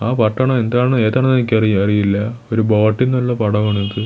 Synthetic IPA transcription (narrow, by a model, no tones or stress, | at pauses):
aːpɐʈːɐɳɐme̞nd̪aːɳɨe̞ːðɐːɳɐnenɐkʲːɐrijɐrijilːɐo̞ɾuboːʈːinːɐlːɐpɐɽɐʋɐɳenðɨ